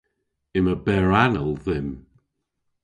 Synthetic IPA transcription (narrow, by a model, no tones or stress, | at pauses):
ɪməbɛɹanəlˠðɪm